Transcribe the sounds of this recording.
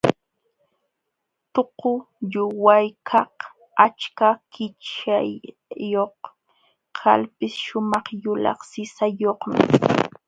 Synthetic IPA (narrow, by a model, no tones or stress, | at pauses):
t̪oqʊ | ʎʊwajkʰɑq | at͡ʃkakɪt͡ʃajː | oχ | kʰa̰lpɪsʃʊmɑχjʊlɑ̰χsɪsajoχmɪ̰